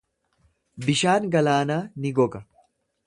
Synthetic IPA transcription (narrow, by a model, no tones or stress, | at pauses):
bɪʃaːŋɡɐlaːnaːnɪɡɔɡɐ